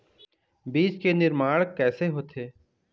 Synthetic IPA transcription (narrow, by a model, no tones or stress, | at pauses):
biːt͡ʃkenɪɾmaːɽkɛːseɦoːt̪ʰeː